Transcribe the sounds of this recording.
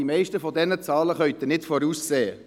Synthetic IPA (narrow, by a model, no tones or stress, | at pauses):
imɛɪʃtəfɔdɛnət͡sɑːləχœɥt̪ənɪtfɔɾuːsseːə